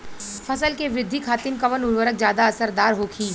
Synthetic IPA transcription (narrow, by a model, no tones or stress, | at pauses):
fɐsəlkeʋɾɪd̪ʱːikʰaːt̪ɪmkɐʋənʊlʋəɾək̚zjaːd̪aɐsəɾd̪aːɾɦoːkʰiː